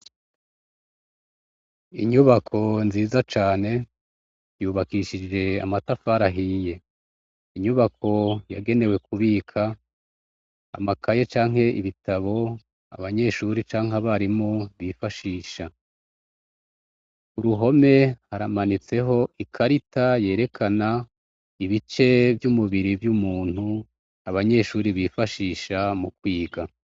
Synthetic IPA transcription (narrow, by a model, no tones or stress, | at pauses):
iɲuβakʰo̞nziːzat͡ʃaːne̞ | juːβakiʃid͡ʒe̞a̰matafaɾaɦije̞ | iɲuβakʰo̞ja̰ɡe̞ne̞we̞kʰuβiːkʰa | a̰makʰaje̞t͡ʃaːŋ̥ɦe̞ʔiβitʰaβo̞ | a̰βaɲe̞ʃuɾit͡ʃaːŋ̥aβaɾimoβifaʃiːʃa | uɾuɦo̞me̞haɾamanit͡se̞ɦo̞ʔikʰaɾitaje̞ːɾe̞kʰana | iβit͡ʃe̞vjumuβiɾivjumuːn̥hu | aβaɲe̞ʃuːɾiβiːfaʃiːʃamukwiːɡa